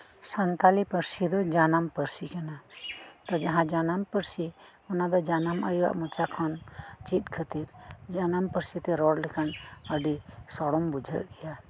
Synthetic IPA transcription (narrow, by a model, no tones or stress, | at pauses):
sɐnt̪alipəɾsid̪ɔd͡ʒanampəɾsikɛnat̪ɔd͡ʒɐɦãd͡ʒanampəɾsi | ɔnad̪ɔd͡ʒanama̰jua̰ʔmut͡ʃakʰɔnt͡ʃit̪̚kʰət̪iɾd͡ʒanampəɾsit̪ɛɾɔɽlikʰanəɖisɔɽɔmbud͡ʒʱə̰ʔɡɛja